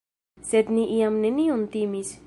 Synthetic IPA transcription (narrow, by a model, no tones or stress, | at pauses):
sed̪niʔiamneniont̪imis